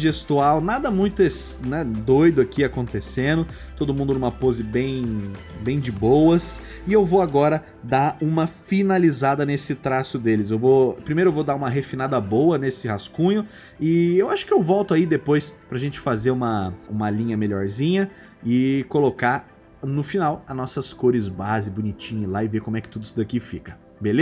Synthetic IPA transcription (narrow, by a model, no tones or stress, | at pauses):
ʒest̪uawnad̪ɐmũj̃t̪ʊesnɛd̪ojd̪ʊakiakõnt̪esẽnd̪ʊ | t̪od̪ʊmũnd̪ʊnũmɐpozɪbẽj̃ | bẽj̃d͡ʒɪbowɐs | ɪewvowaɡɔɾɐ | d̪aɾũmɐfinalizad̪ɐnesɪt̪ɾasʊd̪elɪzewvopɾimejɾʊewvowd̪aɾũmɐɦefinad̪ɐbowɐnesɪhaskũɲʊ | ɪewaʃʊ̥kɪewvɔwt̪ʊaid̪epojspɾɐʒẽnt͡ʃɪ̥fazeɾũmɐṵ̃mɐlĩɲɐmeʎɔɾzĩɲɐ | ɪkoloka | nʊfinawɐnɔsɐskoɾɪzbazɪbʊnit͡ʃĩɲɪlaɪvekomʊɛkɪ̥t̪ud̪ʊsʊd̪akifikɐ̥ | belez